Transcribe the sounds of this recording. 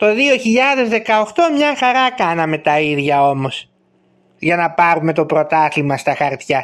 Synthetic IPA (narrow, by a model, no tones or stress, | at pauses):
t̪o̞ðio̞çiʎɐðe̞zðe̞kɐo̞xt̪o̞mɲɐxɐɾɐkɐnɐme̞t̪ɐiðʝɐo̞mo̞s | ʝɐnɐpɐɾume̞t̪o̞pɾo̞t̪ɐθimɐst̪ɐxɐɾt̪çɐ